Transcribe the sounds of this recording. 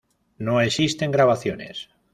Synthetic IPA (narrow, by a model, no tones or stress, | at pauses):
noe̞sist̪e̞ŋɡɾaβ̞aθjo̞ne̞̰s